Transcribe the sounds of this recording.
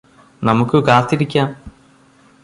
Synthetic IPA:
nɐmukːɨkaːt̪ːiɾikʲːaːm

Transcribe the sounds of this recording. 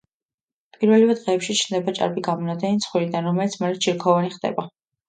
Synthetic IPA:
pʼiɾvɛlivɛd̪ʁɛːpʃit͡ʃʰnd̪ɛbat͡ʃʼa̰ɾbiɡamɔnad̪ʰʼɛnit̪sʰχwiɾid̪anɾɔmɛlit̪sʰmɛlit̪t͡ʃʰiɾkʰɔvaniχd̪ɛ̰ba

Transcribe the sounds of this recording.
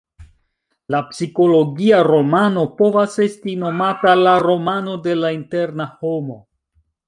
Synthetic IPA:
lapsiko̞lo̞ɡiaɾo̞mano̞po̞vase̞stino̞matalaɾo̞mano̞de̞lainte̞ɾnaho̞mo̞

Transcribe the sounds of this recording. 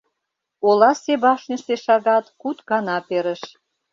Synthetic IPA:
olɑseβɑʃnʲĕʃt̪eʃɑɣɑt̪kut̪kɑnɑpeɾə̆ʃ

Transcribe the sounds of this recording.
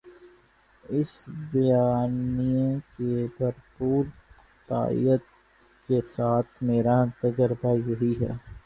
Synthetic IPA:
ɪsbjaːnijẽkebʱɐɾpuːɾ | t̪a̰ːḭjət̪ | kesaːt̪ʰmeːɾaə̃nt̪əɡəɾbajɐɦiɦɛ̰ː

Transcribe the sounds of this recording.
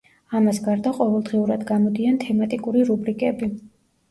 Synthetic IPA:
amasɡaɾd̪aqʼɔvɛlˠd̪ʁiuɾad̪ɡamɔd̪iant̪ʰɛmat̪ʼikʼuɾiɾubɾikʼɛbi

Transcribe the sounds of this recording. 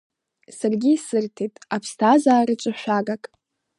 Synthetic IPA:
sarɡʲiːsɨrtʰetʼapʰstʰazaːɾɨt͡ʃʷʼɨʃʷᶣaɡakʼ

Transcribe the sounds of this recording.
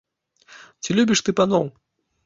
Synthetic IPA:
t͡sʲilʲubʲiʂt̪ɨpanɔw

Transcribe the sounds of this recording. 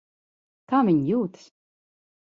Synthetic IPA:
kaːvʲiɲjuːt̪s

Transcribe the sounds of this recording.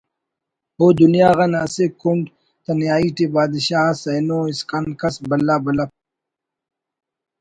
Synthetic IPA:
od̪unjaːɣɐnɐsekuɳɖ | t̪ɐnjaːiʈibaːd̪iɕaːsɐjnoːiskɐnkɐsbɐlːaːbɐlɐp̚

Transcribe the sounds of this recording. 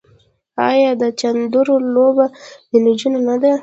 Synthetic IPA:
ɑ̰jɑd̪ət͡ʃand̪uɾolobabɪnɪd͡ʒunanad̪a

